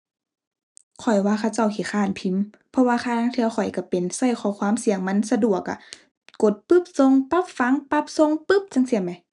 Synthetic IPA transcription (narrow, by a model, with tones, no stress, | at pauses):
kʰɔ˨˩jwaː˧˥˨xʰa˧˩˨wt͡ɕa˧˩wkʰi˧˩xʰaː˧˩˨npʰi˧˦m | pʰɔ˧waː˧xʰaː˧˨naː˧˥˨ŋt̪ʰɯ˧˨wxʰɔ˨˩jka˧˩pe˨nsa˧˩˨jkʰɔː˧˩˦kʰwaː˧˥˨msi˧˦əŋma˧˥˨nsa˧du˨˩əkːa̰˧˩ | ko˨˦t̪̚pɯ˧˥˨p̚so˧˨ŋpa˧˥˨p̚fa˧˥ŋpa˧˥p̚so˧˨ŋpɯ˧˥˨p̚t͡ɕa˧˥˨ŋsi˧˩˨ma˧˦j